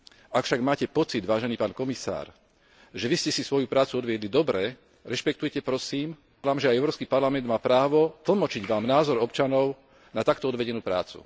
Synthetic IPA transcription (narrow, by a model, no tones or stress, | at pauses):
akfʃaɡmaːcɛpɔt͡sid̪ʋaːʒɛniːpaːnkɔmisa̰ːɾ | ʒɛʋiscɛsisʋɔjupɾaːt͡suɔd̪ʋɪɛd̪lid̪ɔbɾɛ | ɾɛʃpɛk̚t̪ujɛcɛpɾɔsiːm | laːmʒɛajɛʊɾɔːskiːpaɾlamɛnd̪maːpɾaːʋɔt̪l̩mɔt͡ʃiɟʋaːmnaːzɔɾɔpt͡ʃanɔʊ | nat̪akt̪ɔɔd̪ʋɛɟɛnuːpɾa̰ːt͡sṵ